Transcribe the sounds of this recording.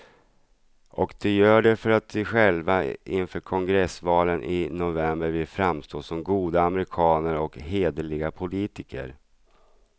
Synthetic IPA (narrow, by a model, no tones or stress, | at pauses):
ʔɔkd̪ɛjœːɖɛfœɾat̪̚d̪ɪɧɛlvaʔɪnfœːɾkʰɔŋɡɾɛsvɑːlənʔɪnʊvɛmbəɾvɪlfɾamst̪oːʂɔmɡuːd̪aːmɛɾɪkʰɑːnəɾɔkɦeːd̪əlɪɡapʰʊliːt̪ɪkʰə̰ɾ